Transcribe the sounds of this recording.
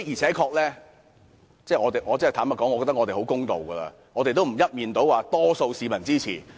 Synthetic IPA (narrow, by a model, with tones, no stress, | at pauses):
jiː˨˩t͡sʰɛː˨˥kʰɔː˧k̚lɛː˥ | t͡sɛː˥˩ŋɔː˨˧t̪e˨jʔɔː˨˧t͡sːt̪ʰaː˨˥mɐ˨kɔː˨˥ŋɔ˨˧kːɔ˧t̪ɐ˥ŋɔː˧e˨˩ho˨˥wkʊ˥ŋt̪o˨wɡɐː˧la̰ː˧ | ŋɔː˨˧t̪e˨jt̪o˥wm̩˨˩jɐ˥t̚miː˨nt̪o˨˥waː˨˧t̪ɔː˥so˧wsiː˨˧mɐ˨˩nt͡siː˥t͡sʰḭː˨˩